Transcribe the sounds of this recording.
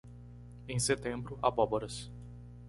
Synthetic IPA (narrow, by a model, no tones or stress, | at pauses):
ẽj̃set̪ẽmbɾʊa̰bɔboɾɐs